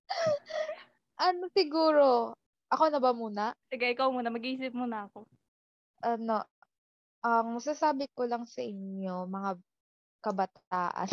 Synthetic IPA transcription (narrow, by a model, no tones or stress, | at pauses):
ʔɐnosɪɡuːɾo̞ | ʔɐkonɐbɐmuːnɐsɐɡaʔɪkawmuːnɐmɐɡʔiːsɪp̚muːnɐɐko | ʔɐno̞ | ʔɐŋmɐsasaːbɪkolɐŋsɐʔɪɲo̞mɐŋa | kɐbɐt̪aːʔɐ̰n